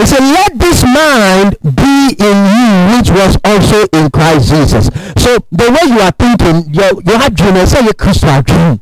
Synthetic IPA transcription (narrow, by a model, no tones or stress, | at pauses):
isɛlɛt̚ðɪsmãɪ̃nbiɪ̃njuwɪt͡ʃwɔzɔlsoʔɪ̃nkʰɹ̥aɪsʒ̥iːzʌ̰sːoðəweɪjuaθɪ̃ŋkɪ̃ŋjɔjuadɹĩnəsɛjɛkʰɹistadɹĩn